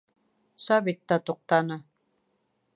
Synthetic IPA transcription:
saβɪt̪ːat̪oq̚t̪ana

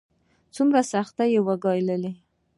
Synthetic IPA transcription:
t͡sumɾasaxt̪ajewaɡɑjləli

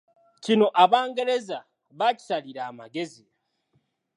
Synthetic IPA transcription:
cino̞ʔaβaːŋɡe̞ɾe̞za | βaci̥saliɾaːma̰ɡe̞zi

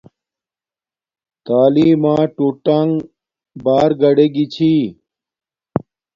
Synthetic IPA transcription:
t̪aːliːmãːʈuːʈaŋɡ | baːɾɡɐɽeɡit͡ɕʰiː

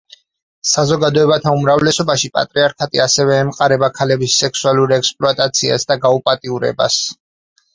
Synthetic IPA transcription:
sazɔɡad̪ɔɛbat̪ʰaumɾavlɛsɔbaʃipʼa̰t̪ʼɾiaɾkʰat̪ʼiasɛvɛːmqʼaɾɛbakʰalɛbisːɛkʰsualuɾɛkspʼluat̪ʼat̪sʰia̰sd̪aɡaupʼat̪ʼiuɾɛ̰ba̰s

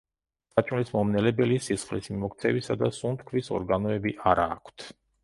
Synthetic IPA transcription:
sat͡ʃʼmlismɔmnɛlɛbɛlisisχlismimɔkt̪sʰɛvisad̪asunt̪ʰkʰvisɔ̰ɾɡanɔɛbiʔaɾaːkʷʰt̪ʰ

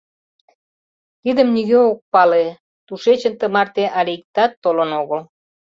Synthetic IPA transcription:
t̪id̪ə̆mniɣøok̚pɑle | t̪uʃet͡ɕə̆nt̪ə̆mɑrt̪eʔɑlʲiik̚t̪ɑt̪ːolənoɣəl

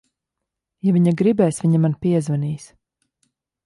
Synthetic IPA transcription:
javʲiɲaɡɾibɛːsviɲamanpʲiɛzvɛniːs

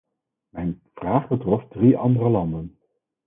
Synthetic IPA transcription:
mɛjnv̥raːχbətrɔfdriʔɑ̰ndərəlɑndən

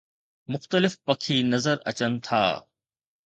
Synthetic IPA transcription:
mʊxt̪əlɪfpɐkʰiːnɐzəɾɐ̰t͡ɕənt̪ʰa̰ː

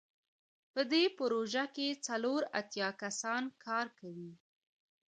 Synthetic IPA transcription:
pəd̪epəɾoʒaket͡saloɾa̰t̪jɑkasɑnkʰɑɾkawi

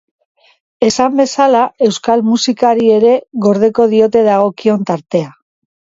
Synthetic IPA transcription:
e̞sambe̞salae̞wskalmusikaɾie̞ɾe̞ɣo̞ɾð̞e̞ko̞ðio̞t̪e̞ðaɣ̞o̞kio̞nt̪aɾt̪e̞a

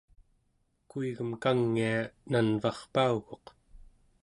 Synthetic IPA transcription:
kuiɣəmkaŋːiananvɑχpauɣo̞q

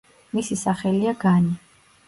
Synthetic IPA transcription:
misisaχɛliaɡani

